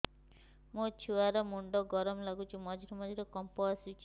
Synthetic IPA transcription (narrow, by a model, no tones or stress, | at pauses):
mot͡ʃʰuaɾɔmuɳɖɔɡɔɾɔmlaɡut͡ʃʰimɔd͡ʒiɾɔmɔd̪ʱiɾɔkɔmposit͡ʃʰi